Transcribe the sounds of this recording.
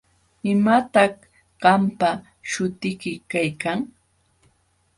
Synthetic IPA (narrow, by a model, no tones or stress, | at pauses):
ɪmat̪ɑχ | ɢ̥ɑmpa | ʃʊt̪ɪkɪkajkaŋ